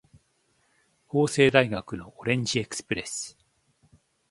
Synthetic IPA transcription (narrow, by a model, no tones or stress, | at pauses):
ho̞ːse̞ːd̪aiɡakɯ̟no̞ʔoɾẽ̞ɲ̟d͡ʑie̞kɯ̥sɨ̥pɯ̟ɾe̞̰sɨ̥